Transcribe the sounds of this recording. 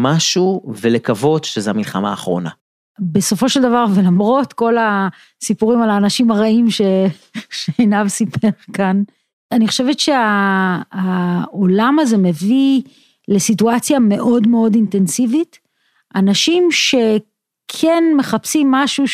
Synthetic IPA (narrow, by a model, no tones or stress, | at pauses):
maʃuvelekavo̞dʃezeamilχa̰ma̰ːχʁo̞̰na̰ | be̞so̞fo̞ʃeld̪avaʁve̞lamʁo̞tko̞la | sipuʁimalaːnaʃimaʁaimʃe̞ʃeejnavsipʰeʁkan | aniχo̞ʃevetʃea | aolamaze̞me̞vi | le̞situat͡sjame̞ʔo̞dme̞o̞dinte̞nsivit | ʔanaʃimʃe̞ | kʰenme̞χapsimːaʃu